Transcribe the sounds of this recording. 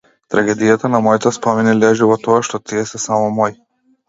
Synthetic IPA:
t̪ɾaɡɛd̪ijat̪anamɔjt̪aspɔminilɛʒivɔt̪ɔaʃt̪ɔt̪iɛsɛsamɔmɔj

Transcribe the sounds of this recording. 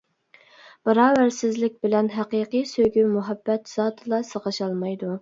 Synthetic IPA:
b̥ɑɾɑːvæɾsɪzlɪk̚ʲbɪlɛnɦæqiqɨjsøɡʲymuɦɑbːɛt̪z̥ɑːt̪ʰɨlˠɑsəʁɑʃɑlˠmɑjd̪u

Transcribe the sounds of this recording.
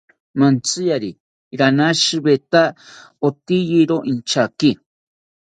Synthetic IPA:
mant͡sɨjaɾi | ɾanaʃɨbet̪a | ot̪ijiɾoʔint͡ʃaki

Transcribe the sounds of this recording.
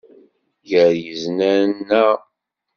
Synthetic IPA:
jəɾjəznænːæ

